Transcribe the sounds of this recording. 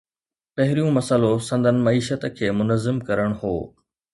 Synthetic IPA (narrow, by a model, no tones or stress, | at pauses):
pɐɦɪɾijũmɐsəlosɐ̃nd̪ʱənɪ̆mɐiːʃət̪̆kʰeːmʊnəzɪmkɐɾəɽ̃ɦoː